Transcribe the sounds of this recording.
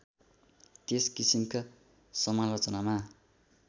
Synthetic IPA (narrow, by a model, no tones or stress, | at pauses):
t̪eskisimka | sʌmanrʌt͡sʌnama